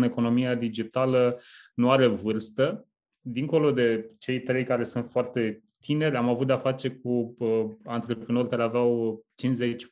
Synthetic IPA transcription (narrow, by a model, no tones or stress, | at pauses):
ne̞ko̞no̞miad̪id͡ʒit̪alənuaɾe̞vɨrst̪ə | d̪iŋko̞lo̞d̪e̞t͡ʃe̞jt̪ɾe̞jkaɾe̞sunt̪foart̪e̞ | t̪ʰine̞ɾʲamavut̪̚d̪eafat͡ʃe̞k̚uəant̪ɾe̞pɾino̞rʲkaɾe̞aveawt͡ʃinze̞t͡ʃʲ